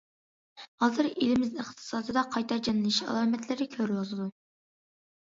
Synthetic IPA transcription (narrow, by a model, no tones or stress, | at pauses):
hɑːzɨɾelɪmɪzɪχt̪ʰɨ̥sɑːd̪ɨd̪ɑqʰɑjt̪ʰɑɾd͡ʒɑnɨlˠiʃɑ̰lˠɑːmɛt̪lɪɾɪkʲʰøɾwɑlˠɨd̪u